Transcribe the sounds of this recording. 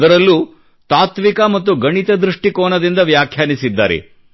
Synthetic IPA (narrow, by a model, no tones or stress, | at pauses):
d̪ɐɾɐlːu | t̪aːt̪ʋikɐmɐt̪ːuɡɐɳit̪ɐd̪ɾuʂʈikɔːnɐd̪ind̪ɐʋjaːkʰjaːnisid̪ːaːɾḛ